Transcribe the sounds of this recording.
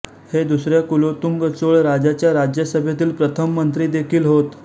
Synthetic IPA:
hed̪usɾjakulot̪uŋɡət͡soɭɾad͡ʑat͡ɕjaɾad͡ʑjəsəbʱjat̪iːlpɾət̪ʰəmːənt̪ɾiːd̪ekʰiːlɦot̪

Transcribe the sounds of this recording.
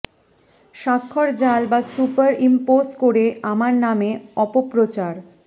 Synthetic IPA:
ʃakʰːoɾd͡ʑalbasupaɾimposkoɾeamaɾnameɔpopɾot͡ɕaɾ

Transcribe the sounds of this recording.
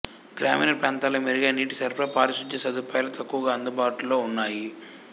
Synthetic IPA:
ɡɾaːminɐɾpaːnt̪aːlɐmeɾiɡɐːniːʈisɐɾpɾɐpaːɾiʃud̪jɐsɐd̪upaːjlɐt̪ɐkːuʋɐɡaːɐnd̪ubaːʈulo̞ːunːaːji

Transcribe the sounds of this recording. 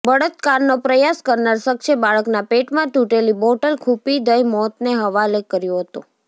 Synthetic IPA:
bəɽət̪kaɾnopɾəjaskəɾnaɾsəkʃebaɭəknapeʈmãt̪ũʈelibɔʈəlkʰupid̪əjmɔt̪neɦəʋalekəɾjoɦət̪o

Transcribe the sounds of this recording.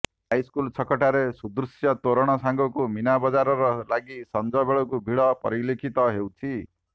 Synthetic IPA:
ajskult͡sʰʌkɔʈaɾesud̪ɾusjʌt̪oɾɔɽ̃ʌsaŋɡɔkuminabɔd͡zaɾɔɾʌlaɡisʌnd͡zʌbeɭɔkubʱiɭʌpʌ̰ɾilekʰit̪ʌɦewt͡sʰi

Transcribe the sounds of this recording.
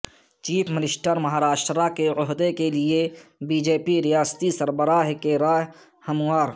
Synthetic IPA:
t͡ʃiːpʰmɪlɪsʈəɾmɐɦaːɾaːʃʈɾakeɔɦd̪ekeliebiːd͡ʒeːpiɾijaːst̪isəɾbəɾaːɦkeɾaːɦ | hɐmaːɾ

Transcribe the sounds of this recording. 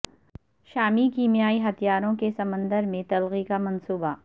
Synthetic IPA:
ʃaːmikiːmijaːiɦɐt̪ʰijaːɾõkesɐmə̃nd̪əɾmẽt̪ɐlɣikamɐ̃nsuːba

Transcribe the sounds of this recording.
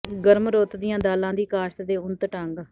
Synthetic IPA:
ɡəɾmɾoːt̪d̪ɪjãːd̪aːlãːd̪iːkaːʃt̪d̪eːʊnt̪ʈəŋɡ

